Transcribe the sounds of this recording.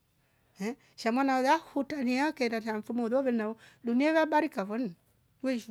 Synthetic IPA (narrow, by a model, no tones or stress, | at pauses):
ɛ | ʃamwanaoðahutaniakɛɾaʃaɱfumɔðɔβɛnnaɔduniaβabaɾikaβɔn | weʃ